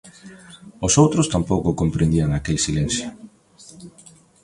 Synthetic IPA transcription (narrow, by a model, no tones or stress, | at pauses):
ʊsowt̪ɾʊst̪ampowkʊkompɾend̪iaŋakelsilen̟θjʊ